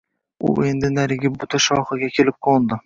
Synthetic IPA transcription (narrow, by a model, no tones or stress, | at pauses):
ʊ̰ʔe̞nd̪ɪnaɾɪɡʲɪbʊt̪ʰaʃɒχɨɡʲakʲʰelɪp̚kʰond̪ɪ